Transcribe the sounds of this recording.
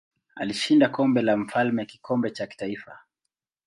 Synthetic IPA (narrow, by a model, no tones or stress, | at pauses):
a̰liʃindakɔmbɛlam̩falmɛaki̥kɔmbɛt͡ʃaki̥taifa̰